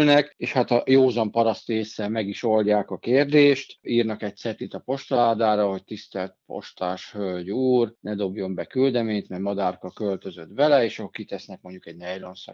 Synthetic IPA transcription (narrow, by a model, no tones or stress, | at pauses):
lnɛkeːʃhat̪ɒjoːzɒmpɒɾɒst̪eːsːɛmɛɡiʃo̞lɟaːkɒkeːrd̪eːʃt̪iːrnɒkɛc̚t̪sɛt̪it̪ɒpo̞ʃt̪ɒlaːd̪aːɾɒɦo̞c̚t̪ist̪ɛlt̪̚po̞̰ʃt̪aːʃhølɟuːrnɛd̪o̞bjo̞mbɛkyld̪ɛmeːɲt̪mɛjmɒd̪aːrkɒkølt̪ø̞zøt̪bɛlɛeːʃɒokit̪ɛsnɛk̚mo̞ɲɟukɛɟnɛjlonsɒ̰